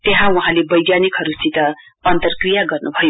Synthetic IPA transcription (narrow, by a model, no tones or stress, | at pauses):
t̪eɦãuɦãlebʌjɡjanikɦʌɾusit̪ʌ | ʌnt̪ʌrkrijaɡʌrnubʱʌjo